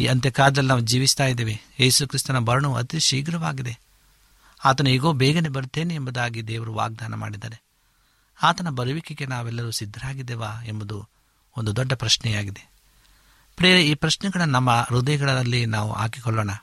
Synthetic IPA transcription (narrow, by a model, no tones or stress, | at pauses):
ḭːɐnt̪jɐkaːɾd̪ɐlinaːʋud͡ʒiːʋist̪aːjd̪eːʋeeːsukɾist̪ɐnɐbɐɾɐɳuɐ̰t̪iʃiːɡɾɐʋaːɡid̪e̞ | aːt̪ɐnuiɡo̞ːbɛːɡɐnebɐɾut̪ːe̞ːneembud̪aːɡid̪ɛːʋɐɾuʋa̰ːɡ̚d̪aːnɐma̰ːɽid̪aːɾe | aːt̪ɐnɐbɐɾuʋikiɡe̞naːʋɛlːɐɾusid̪ʱːɐɾaːɡid̪ɛːʋaːembɐd̪u | o̞nd̪ud̪ɔɖːɐpɾɐʃnɛjaːɡid̪e̞ | pɾeːɾeiːpɾɐʃnɛɡɐɭɐnɐmːɐɾud̪ɐjɐɡɐɭɐɐlːinaːʋṵaːkikɔɭːoːɳɐ